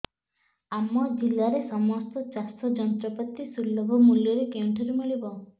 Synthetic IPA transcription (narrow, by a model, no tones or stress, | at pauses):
amɔd͡ʒilːaɾesɔmɔst̪ɔt͡ʃast̪ɔd͡ʒɔnt̪ɾɔpɔt̪ːisulːɔbʱɔmuljɔɾekewɳʈʰɔɾemiɭibɔ